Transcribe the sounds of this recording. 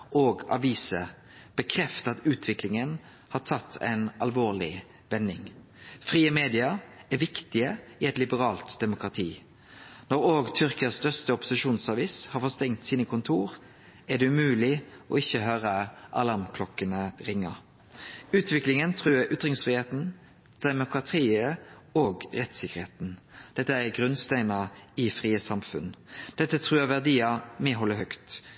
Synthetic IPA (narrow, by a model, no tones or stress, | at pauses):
ʔoːɡɑ̰ʋiːsə | b̥əkʰɾɛft̪əɑt̪ʉːt̪ʰʋɪklɪŋən | hɑt̪ʰɑt̪ʰːæ̰ɪnɑlʋoːʁlɪ̰ | ʋɛnːɪŋ | fʁiːəmeːd̪ɪɑæɾʋɪkt̪ɪəɪɛt̪lɪbəʁɑːlt̪d̪̥ɛmʊkɾɑt̪ʰiː | nɔɾoːɡt̪ʰʏʁkəɑst̪œʁst̪əɔpʊ̥sɪʃuːnsɑːʋiːshɑɾfɔst̪ɛŋt̪siːnəkʰʊnt̪ʰuːʁ | æd̪ɛʉmʉːlɪɔ̰ɪçːəɦøːʁəʔɑ̰lɑʁmkʰlɔkːənəʁɪŋːɑ̰ | ʉːt̪ʰʋɪklɪŋənt̪ʰʁʉːʔʏt̪ʁɪŋsfʁiːheːt̪n̩ | d̪̥ɛmʊkʁɑt̪ʰiːə | oːɡʁɛt̪sɪkːəʁheːt̪n̩d̪̥ɛt̪ːəæɡʁʉnst̪æɪnɑɪfʁiːəsɑmfʉ̰nd̪̥ɛt̪ːət̪ʰʁʉːəʋæʁd̪iːɑmɛːɦɔlːəhœkt̪